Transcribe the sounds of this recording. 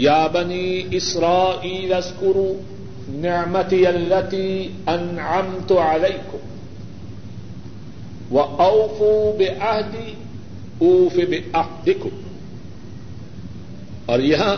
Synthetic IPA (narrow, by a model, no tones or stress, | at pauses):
jaːbaniːʔɪsɾˤaːʔiːlʔazkʊɾu | nɪʕmat̪ialːat̪iːʔanʕamt̪ʊʕalajkʊm | waʔawfuːbɪʔahd̪i | ʔuːfibɪʔahd̪ɪkʊm | ʔaɾjaɦa